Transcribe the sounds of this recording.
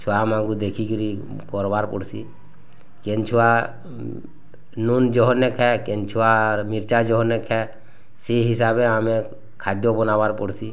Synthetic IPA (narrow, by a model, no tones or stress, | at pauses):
t͡ʃʰuamãŋɡud̪ekʰikiɾi | kɔɾbaɾpɔ̰ɽsi | kent͡ʃʰua | nund͡ʒɔɦɔnːekʰɛkent͡ʃʰuamɪɾt͡ʃad͡ʒɔɦɔnːekʰɛ | seɦɪsaːbeaːmẽ | kʰad̪jɔbɔnabaɾpɔɽsi